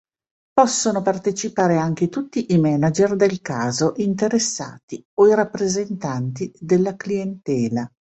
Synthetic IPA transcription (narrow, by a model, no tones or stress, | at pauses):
pɔsːonopart̪et͡ʃipaːɾeaŋk̟et̪ut̪ːiʔimɛnad͡ʒerd̪elkaːzoʔint̪eɾesːa̰ːt̪ioiɾapːɾezent̪ant̪id̪elːaklient̪ɛːla